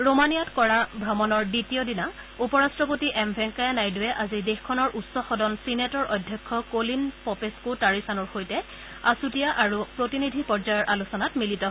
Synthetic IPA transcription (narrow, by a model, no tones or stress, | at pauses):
ɹomanijatkɔɹabʱɹɔmɔnɔɹditijɔdina | upɔɹastɹɔpotiʔɛmbʱɛŋkajanajdʊwɛʔazidexkʰɔnɔɹʔutsɔxɔdɔnsinetɔɹʔɔdʱjɔkʰːɔkolinpɔpeskotaɹisanɔɹxojtɛ | asutijaʔaɹupɹotinidʱipɔɹd͡ʒajɔɹʔalusɔnatmilitɔ